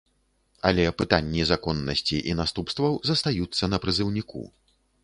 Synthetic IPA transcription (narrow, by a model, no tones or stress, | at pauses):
ɐ̰lʲɛpɨt̪anʲːizakɔnːɐsʲt͡sʲiʔinast̪upst̪vɐwzɐst̪ajut̪sːɐnɐpɾɨzɨwnʲikṵ